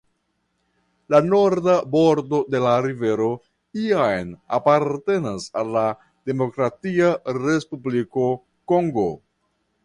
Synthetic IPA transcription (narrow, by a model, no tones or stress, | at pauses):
lano̞ɾdabo̞ɾdo̞de̞laɾive̞ɾo̞ | iajna̰paɾte̞nasalːa | d̥e̞mo̞kɾatiaɾe̞spubliko̞ | ko̞ŋɡo̞̰